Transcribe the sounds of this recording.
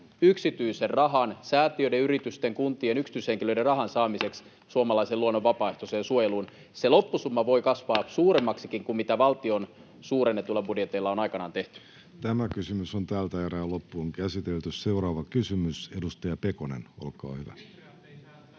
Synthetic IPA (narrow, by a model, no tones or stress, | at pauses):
yksit̪yiserrɑɦɑnsæːt̪iødeyɾit̪yst̪eŋkunt̪ˑiːenyksit̪yshe̞ŋkilø̞ide̞rrɑɦɑnsɑːmise̞ks | suomɑlɑiseluonːoʋʋɑpɑːeht̪o̞seːnsuojeluːn | se̞lo̞pːusumːɑʋo̞jkɑsʋɑːsuːɾe̞mːɑksikiŋkummit̪æʋɑlt̪io̞n | suːrenːet̪ulːɑbudjet̪eilːɑo̞nɑjkɑnɑ̰ːnt̪e̞ht̪y̥ | t̪æmækysymysont̪æːlt̪æeɾæːlopːuoŋkæsit̪elt̪ysseuɾɑːʋɑkysymysedust̪ɑjɑpekoneno̰lkɑ̰ːhyʋæ̰